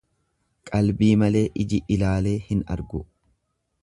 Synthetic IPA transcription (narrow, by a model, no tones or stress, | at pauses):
kʼɐlbiːmɐle̞ːʔɪd͡ʒɪʔɪlaːle̞ːhɪnɐ̰ɾɡʊ